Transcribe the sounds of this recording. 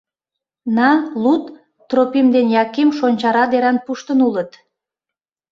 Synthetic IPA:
nɑnlut̪ː | ropimd̪enjɑkemʃonʲt͡ɕɑɾɑd̪eɾɑnpuʃt̪ənulət̪

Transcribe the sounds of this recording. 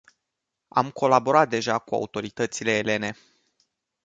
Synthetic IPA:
a̰mko̞labo̞ɾat̪̚d̪e̞ʒakua̰ut̪o̞ɾit̪ət̪sile̞ːle̞ne̞

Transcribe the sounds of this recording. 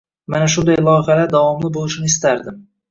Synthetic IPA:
manaʃ̬ʊnd̪ajlˠɒjχalaɾd̪avɒmlɪbolˠɪʃnɪɪst̪aɾd̪ɪm

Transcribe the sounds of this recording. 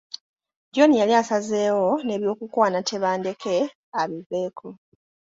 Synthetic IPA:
ɟo̞nijaliasaze̞ːwo̞ne̞ːβjo̞ːkukwaːnatʰe̞βaːnde̞kʰe̞ | aβive̞ːkʰo

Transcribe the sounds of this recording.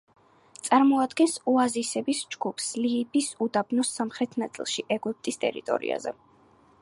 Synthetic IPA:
t̪sʼaɾmɔad̪ɡɛnsuazisɛbisd͡ʒɡupʰsliːbisud̪abnɔsːamχɾɛt̪ʰnat̪sʼḭlˠʃiʔɛɡup̚t̪ʼist̪ʼɛ̰ɾḭt̪ʼɔ̰ɾḭa̰zɛ̰

